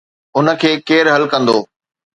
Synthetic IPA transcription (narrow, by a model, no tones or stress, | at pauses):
ʊnə̆kʰeːkeːɾɦɐlkɐ̃nd̪oː